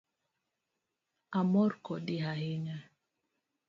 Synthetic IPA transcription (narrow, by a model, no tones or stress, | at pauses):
amɔɾkɔdiɦahiɲa